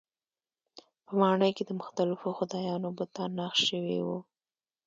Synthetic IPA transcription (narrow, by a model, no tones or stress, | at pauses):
pəmɑɳəjked̪əmʊxt̪alɪfoxʊd̪ɑjɑnobʊt̪ɑnːaxʃəwḛwu